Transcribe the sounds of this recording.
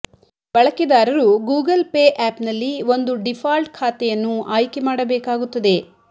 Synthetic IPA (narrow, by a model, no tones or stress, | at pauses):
b̥ɐɭɐkid̪aːɾɐɾuɡuːɡɐlpeːʔaːpnɐlːiʋo̞nd̪uɖipʰaːlʈ̚kʰaːt̪ɛjɐnːuʔaːjkemaːɽɐbɛːkaːɡut̪ːɐd̪e̞